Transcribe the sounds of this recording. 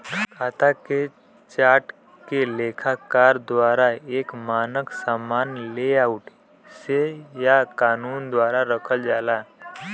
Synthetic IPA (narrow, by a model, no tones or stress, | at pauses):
kʰaːt̪ʰake | t͡ʃaːɾʈ | keleːkʰakaːɾd̪waːɾaeːkmaːnəksaːmaːnleaʊʈ | sejakaːnuːnd̪waːɾaɾəkʰəld͡ʒaːla